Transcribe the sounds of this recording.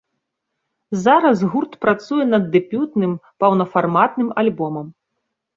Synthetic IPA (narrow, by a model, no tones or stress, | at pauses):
zaɾɐsɣurt̪pɾat̪sujɛnɐd̪ːɛpʲut̪nɨmpɐwnɐfarmat̪nɨmalʲbɔmɐm